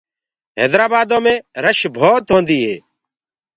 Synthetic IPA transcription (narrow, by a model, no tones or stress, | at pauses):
ɦḛːd̪ɾaːbaːd̪õːmẽːɾəʃbʱoːt̪ɦõːnd̪iːɦeː